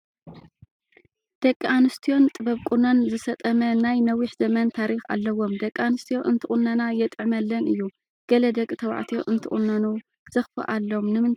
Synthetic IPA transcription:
d̪̥ɐkʼːanɨst̪ʰijo̞nt̪ʼɨβɐβkʼunonzɨsɐt̪ʼɐmɐnajnɐwiħz̥ɐmɐnt̪ʰaɾixa̰lːɐwo̞md̪ɐkʼːanɨst̪ʰijo̞ʔɨnt̪ʰɨχʼunːɐnajɛt̪ʼɨʕmɐlːɐnɨjːu | ɡ̥ɐlɐd̪ɐkʼːt̪ʰɐwa̰ʕt̪ʰijo̞̰ʔɨnt̪ʰɨ̰χʼṵnːɐnu | z̥ɨxfɐ̰ʔalːomnɨmɨn

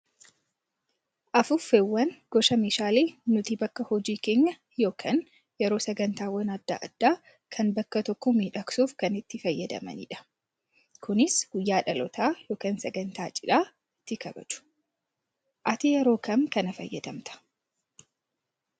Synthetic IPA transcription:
ʔɐfʊfewːɐnɡ̥ɔʃɐmeːʃaːleːnʊt̪ibɐkːɐhɔd͡ʒiːke̞ːɲːɐ | jo̞ːkʰɐn | jɛɾoːsɛɡɐnt̪aːwɐnɐd̪ːa̰ʔɐ̰d̪̥ːaː | kʰɐnbɐkːɐt̪ɔkːɔmiːᶑɐksuːfkɐnɪt̪ːɪfɐjːɐd̪ɐ̰mɐ̰nḭᶑɐ̥ | kʊnɪsɡ̥ʊjːaːᶑɐlɔt̪aːjo̞ːkɐːnsɛɡɐnt̪aːt͡ʃʼɪᶑaː | ɪt̪ːɪkɐbɐ̰t͡ʃʊ̥ | ʔɐt̪ijɛɾoːkɐŋkɐnɐfɐ̰jːɐd̪ɐmt̪ɐ̥

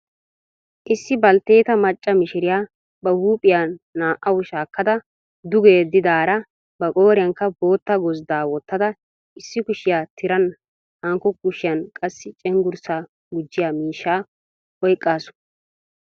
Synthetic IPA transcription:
ʔɪsːɪbɐlt̪eːt̪ɐmɐt͡ʃʼːɐmɪʃɪɾɪjaː | bɐhuːpʼɪjaːaːʔɐwʊʃaːkːɐd̪ɐ | d̪ʊɡe̞ːd̪ːɪd̪aːɾɐ | bɐkʼo̞ːɾɪjɐŋkːɐbo̞ːt̪ːɐɡɔzd̪aːwɔt̪ːɐd̪ɐ | ɪsːɪkʊʃɪjaːt̪ʰɪɾɐn | haŋkːɔkʊʃɪjɐnkʼɐsːɪt͡ʃʼɛŋɡʊɾsa | ɡʊd͡ʒːɪjaːmiːʃːaː | ɔjkʼːaːsʊ̥

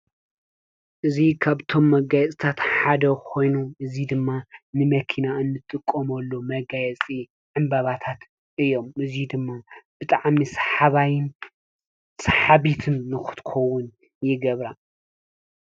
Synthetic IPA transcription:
ʔɨzikʰaβt̪ʰo̞mːɐɡajɛt͡sʼt̪ʰat̪ħad̪ɐkʰo̞jnuʔɨzid̪ɨmːanɨmɐkʰinaʔɨnːɨt̪ʼɨkʼːɐmɐlːomɐɡajɛt͡sʼi | ʕɨmbaβat̪ʰat̪ | ʔɨjːo̞mʔɨzid̪ɨmːab̥ɨt̪ʼaʕmisħaβajn | saħaβit̪ʰɨnːɨxɨ̥t̪ʰɨ̥xɐwʊn | jɪɡɐβɾa

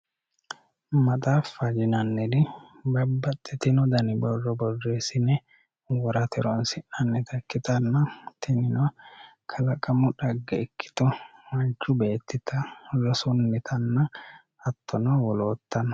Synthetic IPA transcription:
mɐt̪ʼaːfːɐd͡ʒɪnɐnːɛd̪ɪ | bɐbːɐt̪ʼːɛt̪ɪnɔd̪ɐnɪbɔrːɔbɔrːeːsɪnɛ | wɔɾɐt̪ɛɾɔnsɪʔɐnːɛt̪ɐkːɪt̪ɐnːɐt̪ɪnɪnɔ | kʰɐlɐkʼɐmʊᶑɐɡːɐɛkːɪ̥t̪ɔmɐnt͡ʃːʊbeːt̪ːɪt̪ɐlɔsʊnːɪt̪ʰɐnːɐː | t̪ːɔnɔwɔloːt̪ːɐn

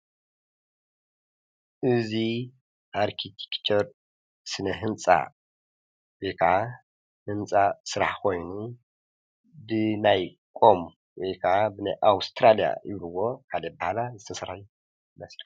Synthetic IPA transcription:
ʔɨzi | ʔaɾkʰit̪ʰe̥kt͡ʃʰoɾ | sɨnɐɦɨnt͡sʼa̰ | wekʰa | hɨnt͡sʼasɨɾaħkʰo̞jnu | bɨnaj | kʼo̞m | wekʰabɨnaʔawst̪ʰɾalija̰jɪ̰βluwo̞kʰalɐbahalazɨt̪ʰɐsɐɾaju | mɐsl

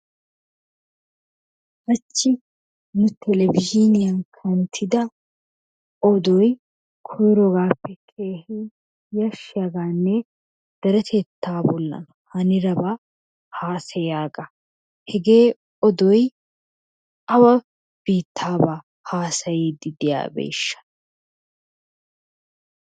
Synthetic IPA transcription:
ʔɐt͡ʃːɪ | nʊt̪ʰɛlɛvɪʃinɪjɐnkʰɐnt̪ʰɪd̪ɐ | ɔd̪ɔj | kʰɔjɾɔɡaːpːɛkʰʼeːhi | jɐʃɪɐɡaːnːe | d̪̥ɐɾɛt̪ʰet̪ʰːaːbɔlːɐ̰nɐhɐnɪɾɐba | haːsɐjaːɡɐ | hɛɡe̞ː | ɔd̪ɔj | ʔɐwɐ | b̥iːt̪ːaːbaː | haːsɐjiːd̪ɪd̪ɪja̰ːbḛːʃːɐ̥

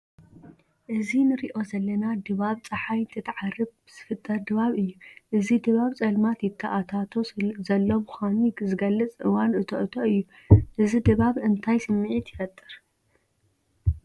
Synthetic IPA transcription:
ʔɨzinɨɾiʔo̞zɐlːɐnad̪ɨβaβt͡sʼɐħajnt̪ʰɐt̪ʰʕarːɨβbɨz̥ɨfɨt̪ʼːɐɾd̪ɨβaβɨjːuʔɨzid̪ɨβaβt͡sʼɐlmat̪jɪt̪ʰːɐʔat̪ʰat̪ʰo̞zɐlːo̞mxʷanizɨɡɐlːɨt͡sʼʔɨwanɨt̪ʰɐ̰ʔɨt̪ʰoʔɨjːu | ʔɨzid̪ɨβaβɨnt̪ʰajsɨmːɨʕit̪ʰjɪfɐt̪ʼːɨɾ

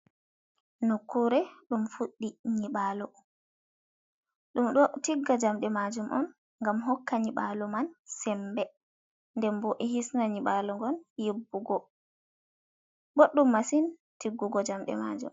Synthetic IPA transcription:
nɔkʰːuɾɛɗumfuɗːiɲiɓalɔ | ɗumɗɔtiɡːad͡ʒamɗɛmad͡ʒumʔɔ̰n | ŋɡamɦɔkːaɲiɓalɔmansɛmbɛ | ndɛmbɔʔɛhisnaɲiɓalɔŋɡɔnjibːuɡɔ | ɓoɗːumːasintiɡːuɡɔd͡ʒamɗɛ̰ma̰d͡ʒṵm

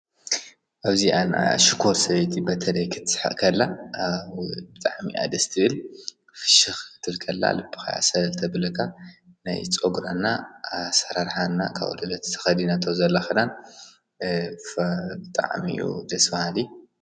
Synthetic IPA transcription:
ʔaβziʔana̰ʃikʰo̞ɾsɐβɐjt̪ʰibɐt̪ʰɐlɐjkʰɨt̪ʰːɨ̥ħa̰ʔkʰɐlːa | bɨt̪ʼaʕmḭʔa̰d̪ɐst̪ʰɨɨl | fɨ̥ʃɨxɨt̪ʰɨlkʰɐlːa̰lɨbːɨ̥xa̰ja̰sɐlt̪ʰɐbɨlɐkʰa | na̰jt͡sʼoɡɾanːasɐɾaɾħanːa̰kʰa̰βṵlɨlɐt̪t̪ʰɐ̥xɐd̪inat̪ʰozɐlːaxɐd̪an | fbɨt̪ʼa̰ʕmḭṵd̪ɐsfahali

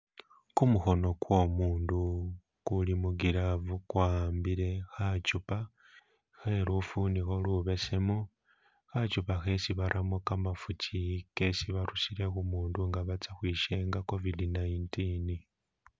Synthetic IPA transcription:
kumuxo̞no̞kwo̞ːmuːndu | kulimuɡiɾavukwaːmbiɾe̞xat͡ʃupa | xeɾufunixo̞luβe̞se̞mo | xat͡ʃupaxe̞siβaɾʔamokamafucike̞siβaɾusiɾe̞xumuːnduŋɡaβat͡saxwiːʃe̞ŋɡako̞vidinajintini

